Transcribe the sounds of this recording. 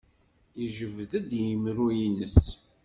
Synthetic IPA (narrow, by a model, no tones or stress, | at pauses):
iʒəvðæd̪jəmɾujinəs